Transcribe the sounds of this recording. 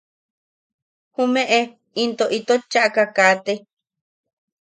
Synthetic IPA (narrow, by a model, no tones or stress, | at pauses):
humẽʔe | int̪oʔit̪ot͡ʃːaʔkakaːt̪e